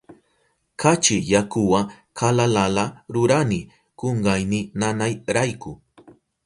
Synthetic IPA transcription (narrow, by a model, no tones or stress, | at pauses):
kat͡ʃɪjakʊwa | kʰalalalaɾʊɾanɪ | koɴɢajnɪnanajɾajkʊ